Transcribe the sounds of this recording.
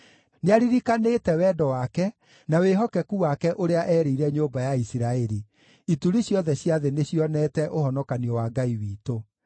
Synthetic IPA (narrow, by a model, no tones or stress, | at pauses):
neaɾiɾikanetɛwɛdɔwakɛ | naweɦɔkɛkuwakɛʔoɾeaʔɛːɾeiɾɛɲobajaisiɾaɛɾi | ituɾiɕjɔðɛɕjaðeneɕiɔnɛːtɛʔoɦɔnɔkaniɔwaɡaiwiːto